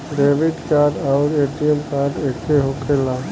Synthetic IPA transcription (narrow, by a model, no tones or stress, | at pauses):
ɖeːʋɪɖkaɖɔːɾeːʈiemkaːɖekeɦokela